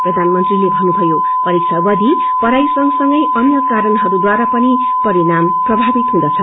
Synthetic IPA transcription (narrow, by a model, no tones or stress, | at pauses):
prʌd̪ʱanmʌnt̪rilebʱʌnːubʱʌjo | ʌɾiksʰʌbʌd̪ʱi | pʌɾajsʌŋsʌŋɡʌjʔʌnjʌkaɾʌnɦʌɾud̪waɾapʌni | pʌɾiɾamprʌbʱabit̪ɦũd̪ʌt͡sʰʌ